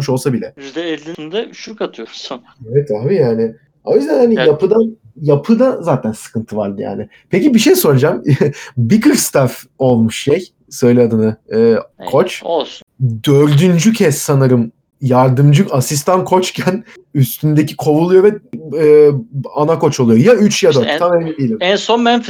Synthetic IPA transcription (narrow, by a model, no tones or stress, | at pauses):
mɯʃo̞lˠsabilʲɛzd̪ɛɛlʲːind̪ɛʃukat̪ʰɯjoɾsun | evɛt̪ʰabijaːnɪ | ojzɛhanijapɯd̪an | japʰɯd̪azaːt̪ʰænsɯ̥kʰɯnt̪ʰɯvaɾd̪ɯja̰ːnɪ | pecibiʃejso̞ɾad͡ʒambikɯɾst̪ʰafo̞lˠmuʃʃej | sø̞jlʲɛad̪ɯnɯɯːkʰo̞t͡ʃ | d̪øɾd̪ynd͡ʒycʰɛsːanaɾɯm | jaɾd̪ɯmd͡ʒɯasis̬t̪ʰankʰo̞t͡ʃcʰæn | yst̪ʰynd̪ecʰikʰo̞vulˠujo̞vɛɯːanakʰo̞t͡ʃo̞lˠujojayt͡ʃʰjad̪øamevinɛd̪ijelʲimɛnsonmɛnf